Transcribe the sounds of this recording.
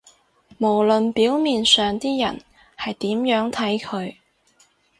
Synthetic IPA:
mo˨˩wlɵ˨npiː˨˥wmiː˨nsœː˨ŋt̪iː˥jɐ˨˩n | hɐ˨jt̪iː˨˥mjœː˨˥ŋt̪ʰɐ˨˥jkʰɵ˨˧ɥ

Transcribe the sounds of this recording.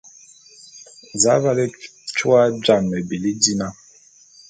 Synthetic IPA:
za˨˦βa˦lɛ˦t͡ʃu˦a˦d͡ʒa˨mːɛ˨bi˨li˦di˦na˦

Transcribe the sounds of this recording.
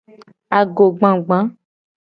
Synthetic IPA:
a˨ɡo˨ɡ͡bã˨ɡ͡bã˨˦

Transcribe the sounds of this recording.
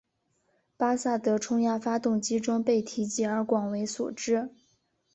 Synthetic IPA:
pa˥sa˥˩t̪ɤ˧˥ʈ͡ʂʰʊ˥ŋja˥˩fa˥t̪ʊ˥˩ŋt͡ɕi˥ʈ͡ʂʊ˥ŋpe˥˩ɪt̪ʰi˧˥t͡ɕi˥˩ə˞˧˥kwɑ˨˩ŋwe˧˥ɪsṵ˨˩ʈ͡ʂɻ̩˥

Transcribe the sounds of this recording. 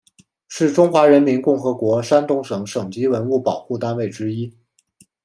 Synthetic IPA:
ʂɻ̩˥˩ʈ͡ʂʊ˥ŋxwa˧˥ɻə˧˥nmi˧˥nkʊ˥˩ŋxɤ˧˥kwɔ˧˥ʂa˥nt̪ʊ˥˩ŋʂɤ˨˩˦ŋʂɤ˨˩ŋt͡ɕi˥wə˧˥nu˥˩pɑ˨˩ʊxu˥˩t̪a˥nwe˥˩ɪʈ͡ʂɻ̩˥i˥

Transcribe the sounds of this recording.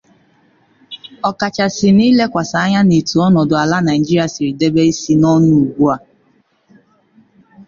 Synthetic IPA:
ɔ˨ka˨t͡ʃa˨sɪ˨niː˦le˦kʷa˨sa˨a˦ɲa˦ne˨tu˨ɔ˦nɔ˨dʊ˨a˨la˦na˨ɪ˨d͡ʒi˦ɾi˦a˨si˨ɾi˨de˦be˦i˦si˦nɔ˦n˦ʊ˦u˨ɡʷu˦a˨

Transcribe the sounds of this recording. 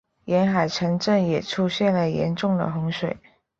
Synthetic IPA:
jɛ˧˥nxa˨˩ɪʈ͡ʂʰɤ˧˥ŋʈ͡ʂə˥˩ŋjɛ˨˩ʈ͡ʂʰu˥ɕjɛ˥˩nlə˩jɛ̰˧˥nʈ͡ʂʊ˥˩ŋd̪ə̰˨˩xʊ˧˥ŋʂwe˨˩ɪ

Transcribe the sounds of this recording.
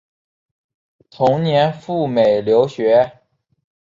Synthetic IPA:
t̪ʰʊ˧˥ŋnjɛ˧˥nfu˥˩me˨˩ɪljo˧˥ʊɕɥɛ˧˥

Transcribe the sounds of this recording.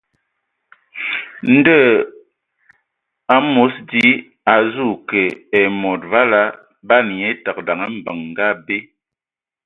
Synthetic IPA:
n̩˦də˦˨ | a˨˦mo˨˦sdi˦ | a˨zu˦˨kɛ˨ɛ˨mɔ˨t̚va˦la˦ | ba˦n˨ɲe˦ta˨k̚da˨ŋə˦m̩˨bə˨ŋː˨ɡa˦be˦

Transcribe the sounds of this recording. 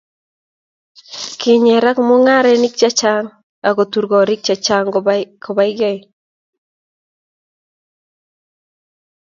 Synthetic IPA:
kɪ˨ɲɛ˨ɾa˦kmʊ˦ŋa˦ɾɛ˦nɪ˦k̚t͡ʃa˦t͡ʃa˦ŋ | a˨ko˨t̪u˨ɾɡɔ˨ɾɪ˦k̚t͡ʃa˨t͡ʃa˦ŋkɔ˨ba˦ɪ˦ɡɛ˦j

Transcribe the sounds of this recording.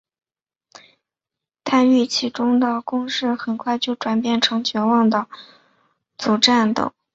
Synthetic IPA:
t̪ʰa˥˧ny˥˩t͡ɕʰi˧˥ʈ͡ʂʊ˥ŋd̪ə˨kʊ˥ŋʂɻ̩˥˩xə˨˩nkʰwa˥˧ɪt͡ɕjo˥˩ʊʈ͡ʂwa˨˩npjɛ˥˩nʈ͡ʂʰɤ˧˥ŋt͡ɕɥɛ˧˥nwɑ˥˩ŋd̪ə˩ | t͡su˨˩ʈ͡ʂa˥˩nt̪ɤ̰˨˩˦

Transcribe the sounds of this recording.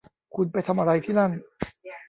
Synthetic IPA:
kʰu˧npa˧jt̪ʰa˧mʔa˧ɾa˧jt̪ʰiː˥˩na˥˩n

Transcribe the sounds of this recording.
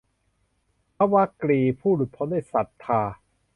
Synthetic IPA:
pʰa˦˥wa˦˥kliː˧pʰuː˥˩lu˨˩t̪̚pʰɔ˦ndaː˥˩jsa˨˩t̪ʰːaː˧

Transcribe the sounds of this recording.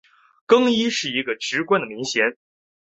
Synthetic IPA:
kɤ˥ŋi˥ʂɻ̩˥˩i˧˥ɡə˧ʈ͡ʂɻ̩˧˥kwa˥nd̪ə˨mi˧˥ŋɕjɛ˧˥n

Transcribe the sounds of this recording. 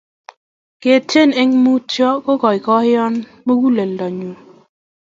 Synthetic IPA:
ke˨te˦ne˦ŋmu˦t͡ʃɔ˦ko˦kɔ˨jkɔ˦hɪ˦ɔ˦n | mo˦ɡu˦le˨ldɔ˨ɲu˨

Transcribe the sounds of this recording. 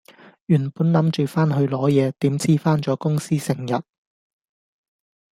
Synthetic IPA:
jyː˨˩npuː˨˥nlɐ˨˥mt͡ʃyː˨˩faː˥nɦɵ˧ɥlɔː˨˥jɛː˨˧t̪iː˨˥mt͡sʰiː˥faː˥nt͡sɔː˨˥kʊ˥ŋsiː˥sɪ˨˩ŋjɐ˨t̚

